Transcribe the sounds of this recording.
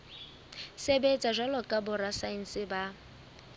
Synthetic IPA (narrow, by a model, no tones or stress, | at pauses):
sebet͡sʼaʒʷalɔkʼabʊrasain̩sɪba